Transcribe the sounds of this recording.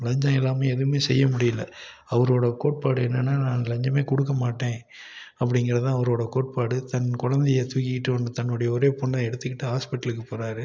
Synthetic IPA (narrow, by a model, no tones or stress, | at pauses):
lɐɲd͡ʒãːɪlːaːmeɛðɯmeːsɛjːɐmʊɽɪjɪlːɐ | ɐʋɐɾoːɽɐkoːʈ̚paːɽɯɛnːɐnːaːnãːnlɐɲd͡ʒɐmeːkʊɽɯk̬ːɐmaːʈːẽː | ɐpːɐɽɪŋɡɪɾɐt̪ãːɐʋɐɾoːɽɐkoːʈ̚paːɽɯt̪ɐnkʊɻɐnd̪ɛjɐt̪ʊkːɪkɪʈːɯɐnɯt̪ɐnːʊɽɐjɐɔɾeːpɔɳːɐ̃ɛɽɯt̪ːɯkːɪʈːɯɦaːspɪʈːɐlɯkːɯpoːɾaːɾɯ